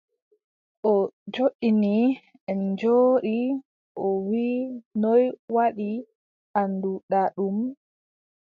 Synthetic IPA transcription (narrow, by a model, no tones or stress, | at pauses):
ʔɔd͡ʒoɗini | ɛmd͡ʒoːɗi | ʔɔwinɔjwaɗi | ʔanduɗaɗum